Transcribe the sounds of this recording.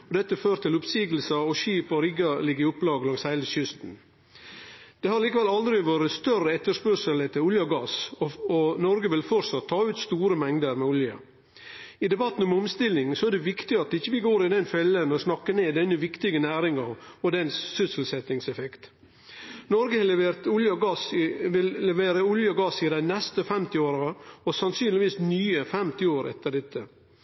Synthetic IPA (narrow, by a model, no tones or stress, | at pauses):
ɔd̪ɛt̪ːəføːɾt̪ʰɪlʊpsiːɡl̩səɔʃiːpɔɾɪɡɑlɪɡəɪʊplɑːɡəlɑŋsæɪləʃʏst̪n̩ | d̪̥ɛhɑɾɭiːkəʋɛlɑld̪ɾɪʋoːɾəst̪œɾəɛt̪ːəʂpœʂələt̪ʰɪʊljɑɡɑsɔnɔɾɡəʋɪlfɔɾsɑt̪ʰːɑːʉːt̪st̪uːɾəmɛŋd̪əɾmɛʊljɑ̰ | ɪd̪ɛbɑt̪ːn̩ɔmʊmst̪ɪlːɪŋsɔæɖɛʋɪkt̪ɪɑt̪ɪçːəʋɪɡoːɾɪd̪ɛnfɛlːənɔsnɑkːəɳeːd̪ɛnːəʋɪkt̪ɪɡənæːɾɪŋɑɔd̪ɛnsːʏsl̩sɛt̪ːɪŋsɛfɛkt̪ | nɔɾɡət̪ʊljɑɡɑsʋɪllɛʋeːɾəʊljəɡɑsɪd̪æɪnɛst̪əfɛmt̪ɪoːɾɑɔsɑnsyːnlɪʋiːsnyːəfɛmt̪ɪoːɾʔɛ̰t̪ːəɖ̪ɛt̪ʰːə